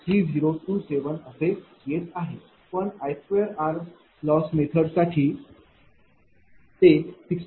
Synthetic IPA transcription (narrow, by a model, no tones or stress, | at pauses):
t̪ʰɾiːd͡ziɾoʈuːseʋənəse | jet̪aɦe | pəɳajfeəɾaɾʋ | lɔsmet̪ʰəɽsaʈʰiː | t̪efiks